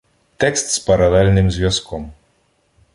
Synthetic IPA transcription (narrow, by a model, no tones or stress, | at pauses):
t̪ɛkst̪spɐɾɐd̪alʲnɨmzʲʋʲjaskʰɔm